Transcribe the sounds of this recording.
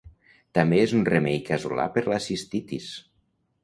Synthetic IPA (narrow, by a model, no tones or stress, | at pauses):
t̪ambeezunremejkazṵla̰pəɾlasist̪it̪ḭs